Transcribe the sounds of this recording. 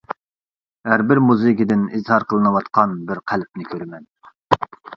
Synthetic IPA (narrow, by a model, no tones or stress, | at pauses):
ɦæɾbɪɾmuzɨkʲid̪ɪnizhɑɾqʰəlˠɨnɨwɑt̪qʰɑnbɪɾqʰælp̚nɪkʲʰøɾɪmɛn